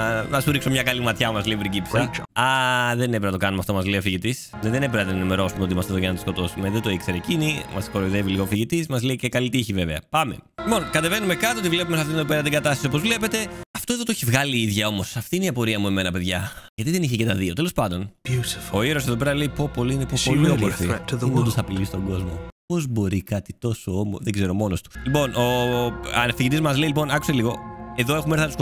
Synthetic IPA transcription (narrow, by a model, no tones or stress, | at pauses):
nɐsuɾikso̞mɲɐkɐlimɐt̪çɐomɐzleipɾiɟipsɐɐðenepiɾɐnɐt̪okɐnumeɐft̪omɐzleiofiʝit̪is | neðenep̬iɾɐnɐt̪enɐnime̞ɾo̞sumeo̞t̪imɐst̪eðojɐnɐt̪i̥sko̞t̪o̞sume̞ðet̪o̞ikseɾecinimɐ̰skoɾoiðe̞viliɣofiʝit̪ismɐzleicekɐlit̪içive̞veɐ̰pɐme̞̰lipo̞nkɐt̪e̞ve̞nume̞kɐt̪oot̪ivle̞p̬umes̬ɐft̪ineðopeɾɐt̪iŋɡɐt̪ɐst̪isiopozvle̞pe̞t̪e̞ɐft̪o̞e̞ðot̪oeçivɣɐliiðʝɐo̞mo̞sɐft̪iineiɐpo̞ɾiɐmue̞me̞nɐpe̞ðʝɐʝɐt̪iðe̞niçecet̪ɐðio̞t̪elo̞spɐnd̪o̞nutfo̞iɾo̞seðo̞pe̞ɾɐle̞ipopo̞liinepooliomoɾfiðimut̪usɐpilist̪o̞ɡo̞zmo̞po̞zbo̞ɾikɐt̪it̪o̞soomðeɡzeɾomo̞nost̪u̥lipo̞nʔo̞ɐnefiʝit̪izmɐzleilipo̞nɐkuseliɣo̞e̞ðo̞e̞xumeɾθɐnɐt̪us